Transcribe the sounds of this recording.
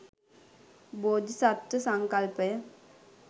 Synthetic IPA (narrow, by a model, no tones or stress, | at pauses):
boːd̪isat̪ɾəsaŋkalpəjə